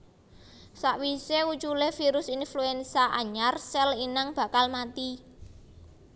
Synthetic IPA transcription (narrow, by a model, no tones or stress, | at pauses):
saʔwiseut͡ʃulehfiɾʊsinfluɛnsaʔaɲarsɛlinaŋb̥a̤kalmat̪i